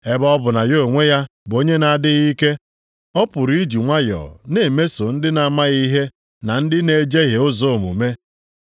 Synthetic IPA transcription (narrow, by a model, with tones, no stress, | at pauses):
e˦bɔ˦bʊ˨na˨jo˦˨ŋʷe˦ja˦bo˦ɲe˦na˨a˨dɪ˦ɣi˦ke˦ | ɔ˦pʊ˨ɾi˦d͡ʒi˨ŋʷa˦jɔ̰˨ne˨me˦so˨n̩˦dɪ˦na˨˦ma˦ɣi˦ɦe˦ | na˨n̩˦dɪ˦ne˨d͡ʒe˦ɣe˨ʊ˦zo˦˨mṵ˨me˦